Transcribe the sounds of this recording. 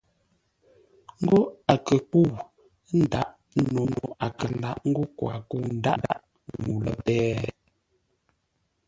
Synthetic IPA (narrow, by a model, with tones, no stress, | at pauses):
ŋ̩˦ɡo˦a˨kə˨k͡pu˦˨ | n̩˦da˦ʔ | no˨no˨a˨kə˨˦la˦ʔŋ̩˦ɡo˦kwa̰˨ku˦˨n̩˦da̰˦ʔda̰˦ʔ | ŋu˨lə̰˨pɛ˦